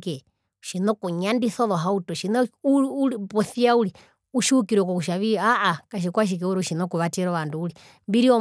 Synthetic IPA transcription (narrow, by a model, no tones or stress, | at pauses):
kɛ | ʃinɔkuɲandiθɔlɔɦautɔʃinɔuupɔθiauli | uʃuukiɾɛkɔkuʃaβiaʔakaʃ̬ikwaʃ̬ik̬ɛuɾɔʃinɔkuβatɛɾɔβanduːli | mbiɾiɔ